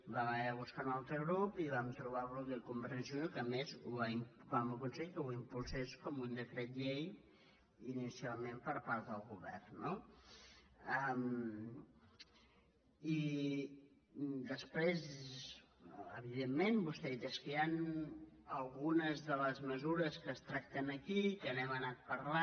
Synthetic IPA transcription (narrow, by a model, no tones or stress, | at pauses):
baβaaβuskanalˠt̪ɾəɣɾupiβamt̪ɾuβ̞alˠɣɾup̚d̪əkumbəɾsəsiokəmezuβaimpβaməlˠkunseʎkəwimpulˠseskɔmund̪əkɾɛt̪ʎej | inisialˠmempəɾpaɾt̪d̪əlˠɣuβɛ̰rnːo | əm | i | d̪əspɾez | əβiðemːenbust̪ɛðit̪eskəjan | əlˠɣunəzðələzməzuɾəskəst̪ɾak̚t̪ənəkikənɛmənat̪̚pəɾla